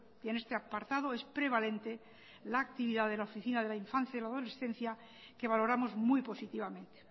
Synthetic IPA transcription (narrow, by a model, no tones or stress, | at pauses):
enest̪eapaɾt̪aðo̞e̞spɾe̞β̞ale̞nt̪e̞ | laːk̚t̪iβiðaðe̞laofiθinaðelaiɱfãn̟θjaðelaðo̞le̞sθẽ̞n̟θja | ke̞β̞alo̞ɾamo̞zmujpo̞sit̪iβamẽ̞nt̪e̥